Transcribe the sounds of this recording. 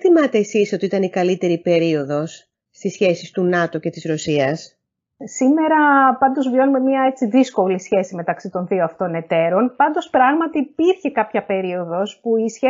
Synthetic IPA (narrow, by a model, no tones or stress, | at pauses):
θimɐt̪e̞ːsiso̞t̪iit̪ɐnikɐlit̪e̞ɾipe̞ɾio̞ðo̞sː | t̪isçe̞sist̪unɐt̪o̞ce̞t̪izɾo̞siɐs | sime̞ɾɐpɐnd̪o̞zvjo̞nume̞miɐe̞t͡siðisko̞lisçe̞sime̞t̪ɐksit̪o̞nðioɐft̪o̞ne̞t̪e̞ɾo̞npɐnd̪o̞spɾɐɣmɐt̪iːpiɾçe̞kɐpçɐpe̞ɾio̞ðo̞spuisçe